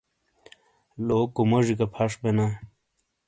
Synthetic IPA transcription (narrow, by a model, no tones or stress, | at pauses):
lokumoʐikɐpʰaʂbena